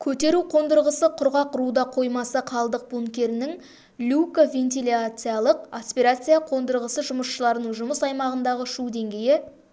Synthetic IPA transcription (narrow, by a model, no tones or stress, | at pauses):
kʲʰɵt̪e̞ɾuqʰo̞nd̪əɾʁəsəqʰʊɾʁɑqʰʊɾud̪ɑqʰo̞jmɑsɑqʰɑlˠd̪əq̚buŋkʲe̞ɾɪnɪŋ | lʲukavʲe̞nt̪ilʲat̪sɨjalˠəq̚aspʲiɾat̪sɨjaqʰo̞nd̪əɾʁəsəʒʊməsʃəlˠɑɾənəɴʒʊməsɑjmɑʁənd̪ɑʁəʃud̪e̞ŋɡʲe̞jɪ